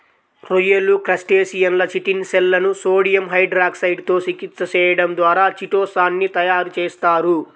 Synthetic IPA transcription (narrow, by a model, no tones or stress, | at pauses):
ɾojɐlːukɾɐsʈeːsijɐnlɐt͡ʃiʈinsɛlːɐnusoːɽijɐmɦɐjɖɾaːksɐjɖt̪o̞ːt͡ʃikit̪sɐt͡ʃɛːjɐɽɐmd̪ʋaːɾaːt͡ʃiʈɔːsaːnːit̪ɐjaːɾut͡ʃeːst̪aːɾu